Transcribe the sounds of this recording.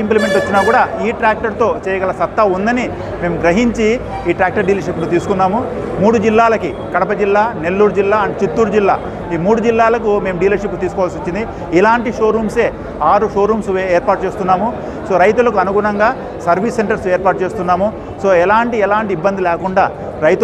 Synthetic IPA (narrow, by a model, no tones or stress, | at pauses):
implime̞ɳʈɐt͡ʃːinaːkuːɽaːiːʈɾaːk̚ʈɐɾt̪o̞ːt͡ʃɛːjɐɡɐlɐsɐt̪ːɐund̪ɐni | me̞ːmɡɾɐɦiɲt͡ʃi | iːʈɾaːk̚ʈɐɾɖiːlɐɾʃipːlut̪iːsu̥kunːaːmu | muːɽud͡ʒilːaːlɐki | kɐɽɐpɐd͡ʒilːaːne̞lːuːɾd͡ʒilːaːɐɳʈet͡ʃit̪ːuːɾd͡ʒilːa̰ː | iːmuːɽud͡ʒilːaːlɐkume̞ːmuɖiːlɐʃip̬ːt̪iːsu̥kɔʋalsot͡ʃːind̪i | ilaːɳʈiʂo̞ːɾuːmse̞ː | aːɾuʂoːɾuːmseːɾpaːɾʈ̚t͡ʃe̞ːst̪unːaːmu | so̞ːɾɐjt̪̬ulɐkuɐnuɡuːɾɐŋɡaː | sɐɾʋisːeɳʈɐɾseːɾpaːʈ̚t͡ʃe̞ːst̪unːaːmu | so̞ːɛlaːɳʈiɛlaːɳʈibːɐnd̪ilɛːkuɳɖaː | ɾɐjt̪